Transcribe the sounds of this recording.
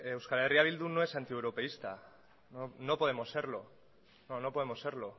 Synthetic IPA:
ewskaleriaβild̪unoe̞sant̪iewɾo̞pe̞ist̪a̰ | nono̞po̞ðemo̞se̞ɾlo̞ | nono̞poemo̞se̞ɾlo̞

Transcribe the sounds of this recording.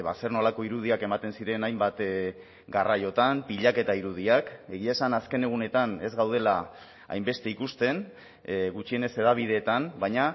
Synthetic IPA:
βase̞rnolako̞iɾuð̞iake̞mat̪e̞nsiɾe̞najmbat̪ | ɡarajo̞t̪ampiʎake̞t̪aiɾuð̞iake̞ɣiaesanaske̞ne̞ɣ̞une̞t̪ane̞zɣawð̞e̞la | a̰jmbe̞st̪e̞ikust̪e̞n | ɣut͡ʃie̞ne̞se̞ðaβ̞ið̞e̞ːt̪anbajɲa

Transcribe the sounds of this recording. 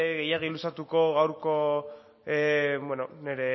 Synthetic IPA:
ɣe̞jaɣ̞ilusat̪uko̞ɣawɾko̞ | bwenone̞ɾe̞

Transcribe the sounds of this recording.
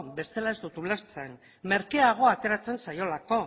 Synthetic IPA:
be̞st̪e̞lae̞zd̪ut̪uleɾt͡sen | me̞ɾkeaɣ̞o̞at̪e̞ɾat͡se̞nsajo̞lako̞

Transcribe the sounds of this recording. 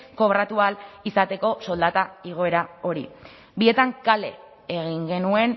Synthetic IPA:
ko̞βɾat̪ualisat̪e̞ko̞so̞ld̪at̪aiɣ̞o̞e̞ɾao̞ɾḭ | bie̞t̪aŋkale̞ | eɣ̞iŋɡe̞nue̞n

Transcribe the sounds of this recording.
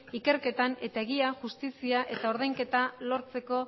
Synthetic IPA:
ike̞ɾke̞t̪ane̞t̪ae̞ɣ̞iaʝust̪isiaʔe̞t̪ao̞ɾð̞ajŋke̞t̪alo̞ɾt͡se̞ko̞

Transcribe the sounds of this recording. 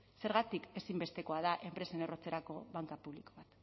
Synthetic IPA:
se̞ɾɣat̪ike̞simbe̞st̪e̞ko̞aðaʔe̞mpɾe̞senero̞t͡se̞ɾako̞βaŋkapuβliko̞βat̪

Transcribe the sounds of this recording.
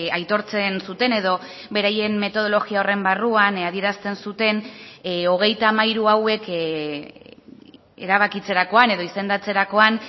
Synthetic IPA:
ajt̪o̞ɾt͡se̞nsut̪e̞ne̞ðo̞ | be̞ɾaje̞nme̞t̪o̞ð̞o̞lo̞ɣiao̞re̞mbaruanaðie̞ɾast̪e̞nsut̪e̞no̞ɣ̞e̞jt̪amajɾuawe̞k | ḛɾaβ̞akit͡se̞ɾako̞ane̞ðo̞ise̞nd̪at͡se̞ɾako̞an

